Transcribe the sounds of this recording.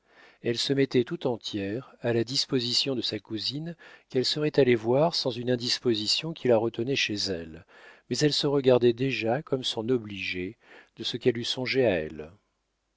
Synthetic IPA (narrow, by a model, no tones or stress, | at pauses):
ɛlsəmɛt̪ɛt̪ut̪ɑ̃t̪jɛʁalad̪ispozisjɔ̃d̪əsakuzinkɛlsəʁɛt̪alevwaʁsɑ̃zynɛ̃d̪ispozisjɔ̃kʲilaʁət̪ənɛʃezɛl | mɛzɛlsəʁəɡaʁd̪ɛd̪eʒakɔmsɔ̃nɔbliʒe | d̪̥əsəkɛlysɔ̃ʒeaɛ̰l